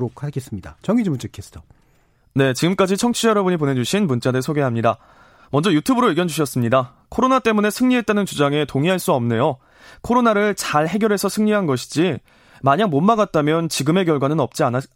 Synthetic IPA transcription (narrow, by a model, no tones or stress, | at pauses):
ɾokʰaɡe̞s͈ɯmɲida̰t͡ɕʌŋid͡ʑomt͡ɕ͈ʰɯkʰes͈o | ne̞t͡ɕiɡɯmk͈ad͡ʑit͡ɕʰʌŋt͡ɕʰijʌɾʌbɯɲip̬one̞d͡ʑuɕʰinmunt͡ɕ͈adɯɭsʰoɡeɦamɲida | mʌnd͡ʑʌjutʰubɯɾoiɭɡjʌnd͡ʑuɕʰʌs͈ɯmɲida | kʰoɾonat͈e̞mune̞sʰɯŋɲiɦe̞t̚t͈anɯnt͡ɕud͡ʑaŋe̞toŋiɦaɭs͈uʌmne̞jo | kʰoɾonaɾɯɭt͡ɕaɭhe̞ɡjʌɾɦe̞sʰʌsʰɯŋɲiɦanɡʌɕʰi̥d͡ʑi | maɲaŋmonmaɡat̚t͈amjʌnt͡ɕiɡɯme̞k̬jʌɭɡwanɯnʌp̚t͡ɕ͈iana